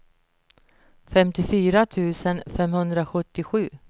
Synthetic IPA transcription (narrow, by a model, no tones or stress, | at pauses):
fɛmt̪ɪfyːɾat̪ʰʉ̟ːsənfɛmhɵnd̪ɾaɧɵt̪ːɪɧʉ̟ː